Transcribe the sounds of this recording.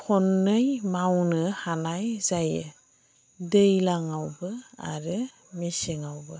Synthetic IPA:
kʰɔnːɯjmawnɯhanajzajɯ | dɯjlaŋawbɯa̰ɾɯ | misiŋawbɯ

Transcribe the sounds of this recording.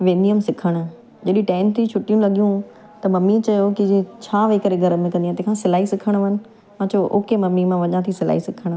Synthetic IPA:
ʋẽːnd̪ijəmsɪkʰəɽ̃ʊ | d͡ʑɐɗĩʈãːɪnt̪ʰɾit͡ɕʰʊʈijũlɐɠijũ | t̪ɐmɐmit͡ɕɐjokid͡ʑt͡ɕʰaːʋekəɾeɡʱɐɾəmẽkɐ̃nd̪jãːt̪ẽkʰãsɪlaːisɪkʰəɽ̃ʋɐnɪ̆ | mãːt͡ɕʰoʔo̰ːkemɐmːimãʋɐɲãt̪ʰisɪla̰ːisɪkʰəɽ̃

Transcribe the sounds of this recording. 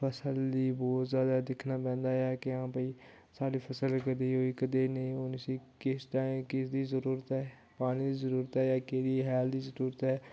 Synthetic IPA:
pʰəsəld̪iːbɔːt̪zjaːd̪aːd̪ɪkʰnaːpɛ̃ːnd̪aːjaːkeãːpəiː | saːɽiːpʰəsəlkəd̪eːɦoːiːkəd̪eːnẽːʊnsiːkɪsʈaːĩmkɪsd̪iːzəɾuːɾət̪ɛː | paːñĩːd̪iːzəɾuːɾət̪ɛːjaːkeːd̪iːɦɛːld̪iːzəɾuːɾət̪ɛː

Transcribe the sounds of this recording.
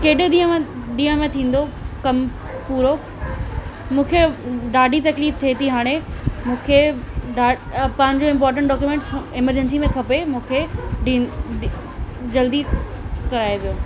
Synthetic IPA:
keːɗɪɗ̪ĩːɦə̃mẽɗĩːə̃mẽt̪ʰĩːn̆d̪okɐm | puːɾo | mũːkʰeɖaːɖʱit̪ɐkliːft̪ʰet̪ʰiɦaːɽ̃emũːkʰeɖaːpɐ̃ɦɪ̃ɲd͡ʑoɪ̃mpɔːɾʈ̬ə̃ɳʈɖɔːkjumẽːɳʈsɪməɾd͡ʑənsimẽkʰɐpemũːkʰeɖi | d͡ʑɐld̪ikɐɾaːeʋijoː

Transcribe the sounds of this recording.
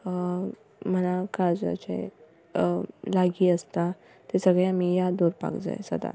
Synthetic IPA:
m̤əlakad͡za̰t͡ɕḛj | laɡiːəst̪a | t̪esəɡɭeamijad̪oɾpa̰kd͡za̰jsə̰d̪a̰

